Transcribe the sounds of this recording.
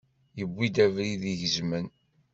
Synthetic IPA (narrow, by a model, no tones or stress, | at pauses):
jəbːid̪ævɾiðiʝəzmən